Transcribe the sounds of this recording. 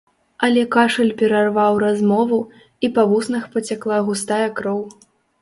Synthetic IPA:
ɐlʲɛkaʂɐlʲpʲɛɾarvawɾazmɔvu | ipavusnɐxpɐt͡sʲaklˠaɣust̪ajɐkɾɔw

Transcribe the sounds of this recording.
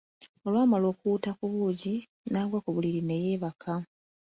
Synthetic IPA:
o̞lwaːmalo̞ːkuːtakuβuːɟi | naːɡwakuβuliɾine̞jeːβakʰa

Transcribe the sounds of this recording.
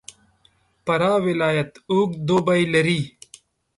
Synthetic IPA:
pɐɾaːwɪlaːjɐt̪uːɡd̪obɐilɐɾiː

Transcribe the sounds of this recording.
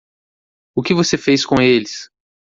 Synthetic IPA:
ʊkɪvosefejskõelɪs

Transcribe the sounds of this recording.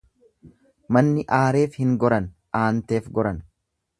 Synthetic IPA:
mɐnːɪʔaːɾe̞ːfhɪŋɡɔɾɐn | ʔaːnt̪e̞ːfɡɔɾɐn

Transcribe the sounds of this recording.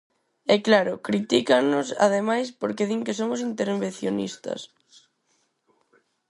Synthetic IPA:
ɛklaɾʊkɾit̪ikanʊsa̰ðemajspoɾkeðiŋkes̬omʊs̬int̪eɾmβenθjonḭst̪ɐ̰s

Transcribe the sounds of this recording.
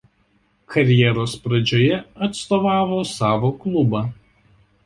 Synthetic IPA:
kʰɐɾʲjɛɾoːspɾɐd͡ʒʲoːjɛɐt̪st̪oːʋɑːʋoːsɑːʋoːklˠʊbɑː

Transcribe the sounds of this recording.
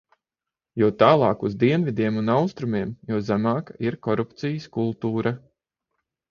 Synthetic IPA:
juɔt̪aːlˠɑːkuzd̪iɛnvid̪ʲiɛmunawst̪ɾumʲiɛmjuɔzæmɑːkaiɾkɔɾupt̪sijəskulˠt̪uːɾa

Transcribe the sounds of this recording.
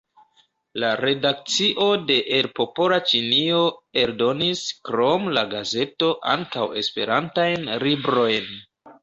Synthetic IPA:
laɾe̞dak̚t͡siʔo̞de̞ʔelpo̞po̞lat͡ʃinio̞e̞ɾdo̞niskɾo̞mlaɡaze̞to̞ʔa̰ŋkawe̞spe̞̰ɾantajnlibɾo̞jn

